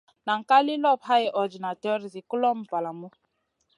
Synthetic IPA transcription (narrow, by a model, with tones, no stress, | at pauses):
na˨ŋ̩˨ka˦li˦lɔ˦˨pɦa˦ɛ˨˦ʔɔ˨d͡ʒi˨na˨tɛ˦ɔ˦ɾi˨zi˨kʊ˦lɔ˦m̩˨pa˨la˨mu˦